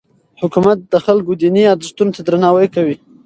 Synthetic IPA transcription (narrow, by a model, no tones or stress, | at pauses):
hʊkumat̪̚d̪əxalkod̪iniɑd̪st̪unot̪ad̪ɾanɑwəjkawi